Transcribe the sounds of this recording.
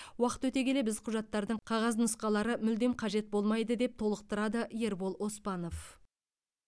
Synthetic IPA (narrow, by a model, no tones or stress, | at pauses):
wɑqə̥t̪wɵt̪e̞kʲe̞le̞bɪzqʰʊʒɑt̪ːɑɾd̪əɴqʰɑʁɑznʊsqɑlˠɑɾəmʏld̪e̞mqʰɑʒe̞t̪̚bo̞lˠmɑjd̪əd̪e̞p̚t̪ʰo̞lˠəq̚t̪əɾɑd̪əʔje̞ɾbo̞lˠʔo̞spɑno̞f